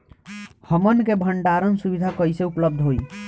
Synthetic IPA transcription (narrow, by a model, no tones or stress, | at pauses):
həmənkebʱəɳʈaɾənsubid̪ʱakəiseupləb̚d̪ʱɦoi